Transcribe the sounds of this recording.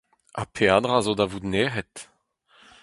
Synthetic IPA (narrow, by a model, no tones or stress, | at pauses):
a̰pʰeaːdʁazodavudneːʁɛt